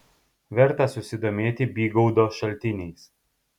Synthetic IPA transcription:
ʋʲɛɾt̪ɐsʊsʲɪd̪oːmʲeːt̪ʲɪbʲiːɡɔʊd̪oːʃɐlʲt̪ʲɪnʲɛɪs

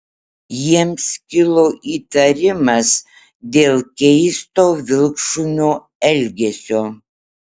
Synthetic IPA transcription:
jiɛmskʲɪlˠoːʔiːt̪ɐɾʲɪmɐs | d̪ʲeːlˠkʲɛɪst̪oːʋʲɪlˠkʃʊnʲoː | ɛlʲɡʲɛsʲoː

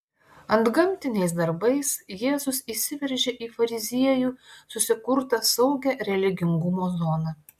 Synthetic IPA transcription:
ɐnd̪ɡɐmʲˑt̪ʲɪnʲɛɪs̬d̪ɐɾbɐɪsjeːzʊsiːsʲɪʋʲɛɾʲʒʲeːʔiːfɐɾʲɪzʲiɛjuːsʊsʲɪkʊɾt̪ɐsɐʊɡʲæɾʲɛlʲɪɡʲɪŋɡʊmoːzɔːnɐ

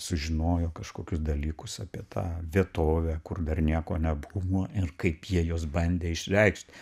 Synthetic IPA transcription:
sʊʒʲɪnoːjoːkɐʃkoːkʲʊsd̪ɐlʲiːkʊsɑːpʲiɛt̪ʰɑ̰ːʋʲiɛt̪oːʋʲæːkʊrd̪ɐrnʲiɛkoːnʲɛbuʋoːɪrkɐɪpjiɛjoːsbɐnʲd̪ʲeːɪʃʲɾʲɛɪkʃʲt̪ʲ

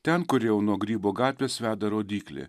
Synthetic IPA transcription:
t̪ʲɛnkʊɾjɛʊnuɔɡɾʲiːboːɡɑːt̪ʲʋʲeːsʋʲæːd̪ɐɾoːd̪ʲiːklʲɪ̰

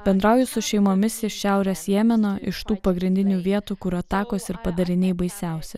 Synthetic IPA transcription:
b̥ʲɛnd̪ɾɐʊjʊsʊʃʲɛɪmoːmʲɪsɪʃʲæˑʊɾʲɛsjeːmʲɛnoːʔɪʃt̪uːpɐɡɾʲɪnʲd̪ʲɪnʲuːʋʲiɛt̪uːkʊɾɐt̪ɑːkoːsɪɾpɐd̪ɐɾʲɪnʲɛɪbɐɪsʲæˑʊsʲɛ

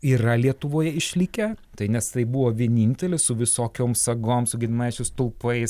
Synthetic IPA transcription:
iːɾɐlʲiɛt̪ʊʋoːjɛɪʃʲlʲɪkʲɛt̪ɐɪnʲɛst̪ɐɪbuʋoːʋʲiɛnʲiːnʲt̪ʲɛlʲɪsʊʋʲɪsoːkʲoːmsɐɡoːmsʊɡʲɪnʲnɑːɪt͡ʃʲɛst̪ʊlˠpɐɪs

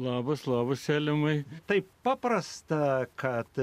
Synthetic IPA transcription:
lˠɑːbɐslˠɑːbɐssʲæːlʲɪmɐɪt̪ɐɪppɑːpɾɐst̪ɐkʰɐt̪

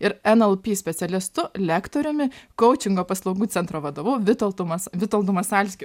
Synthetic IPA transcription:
ɪɾɛnɛlˠpʲiːsʲpʲɛt̪sʲɛlʲɪst̪ʊlʲæːkt̪oːɾʲʊmʲɪkɔʊt͡ʃʲɪŋɡoːpɐslˠɐʊɡuːt̪sʲɛnt̪ɾoːʋɐd̪oːʋuːʋʲɪt̪olˠt̪ʊmɐsʋʲɪt̪olˠd̪ʊmɐsɑlʲsʲkʲɪ

